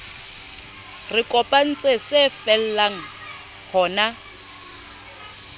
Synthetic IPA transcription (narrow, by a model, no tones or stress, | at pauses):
rɪkʼɔpʼan̩t͡sʼesefɛl̩laŋ̩ | hɔːna